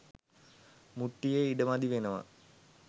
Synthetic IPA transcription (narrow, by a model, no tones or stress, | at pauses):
muʈːijeiɖəmad̪iʋenəʋɐ̰